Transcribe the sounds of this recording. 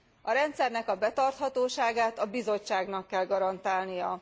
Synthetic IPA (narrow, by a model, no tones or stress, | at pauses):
ɒɾɛnt̪sɛrnɛkɒbɛt̪ɒrt̪hɒt̪oːʃaːɡaːt̪ɒbizo̞t͡ʃːaːɡnɒkːɛlɡɒɾɒnt̪aːlnijɒ